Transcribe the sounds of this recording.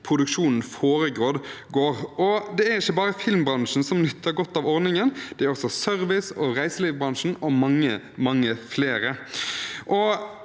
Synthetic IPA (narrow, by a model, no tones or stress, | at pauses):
pʰɾʊd̪ʉkʂuːnn̩foːɾəɡɾoːd̪ɡoːʁʔɔd̪ɛæɾɪçːəbɑːʁəfɪlmbɾɑnʂn̩sɔmnʏt̪ʰːəɡɔt̪ːɑʋɔʁnɪŋənd̪̥ɛæɾɔksɔsœɾʋɪsɔʁæɪsəliːʋbʁɑnʂn̩ɔmɑŋːə | mɑŋːəfleːɾə | ʔɔ